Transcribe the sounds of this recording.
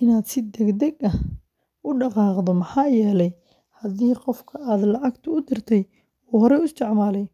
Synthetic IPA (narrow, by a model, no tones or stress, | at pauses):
ɪnaːd̪sɪd̪ɛɡd̪ɛɡɐh | ʔʊɖɑqɑːqd̪ɔmɐħɑːjɛːlɛj | hɐd̪iːqɔfkʰɐʔaːd̪lɑʕɑɡt̪ʰʊʊd̪ɪrt̪ʰɛj | uːhɔɾɛʊst̪ʰɪʕmaːlɛj